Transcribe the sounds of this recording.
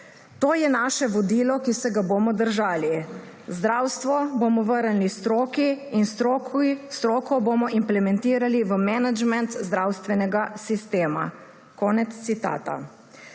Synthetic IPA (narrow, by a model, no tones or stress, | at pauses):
t̪oːjɛnaːʃɛʋɔd̪iːlɔkisɛɡaboːmɔd̪əɾʒaːli | zd̪ɾawst̪ʋɔbomɔʋəɾnlist̪ɾoːkiinst̪ɾost̪ɾoːkɔbomɔʔimplɛmɛnt̪iːɾaliʋəmɛnad͡ʒmɛnt̪zd̪ɾawst̪ʋɛnɛɡasist̪eːma̰ | kɔːnɛt̪st̪sit̪a̰ːt̪a̰